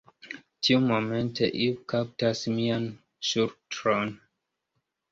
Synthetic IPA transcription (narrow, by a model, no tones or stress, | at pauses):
tʰiumomẽnteʔikʰap̚tasmian | ʃuɾtɾon